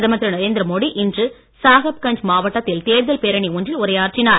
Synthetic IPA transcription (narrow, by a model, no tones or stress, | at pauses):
ðɐmɐt̪ɾɐnɐɾeːnd̪ɾɐmoːɽiʔɪndrɯ | saːɣɐp̚kɐɳd͡ʒmaːʋɐʈːɐt̪ːɪlt̪eːɾðɐlpeɾɐɳiʊndrɪlʊɾɐjaːɾʈrɪnaːɾ